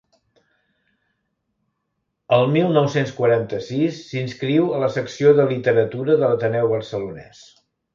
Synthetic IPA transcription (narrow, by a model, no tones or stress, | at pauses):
əlˠmilˠnɔwsenskwəɾant̪əsisːinskɾiwələsəksioðəlit̪əɾət̪uɾəðələt̪ənɛwβəɾsəlunɛ̰s